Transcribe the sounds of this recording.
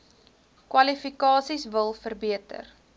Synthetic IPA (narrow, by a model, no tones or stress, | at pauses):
kwɐlifikɑːsisvəlˠfərbiətə̰r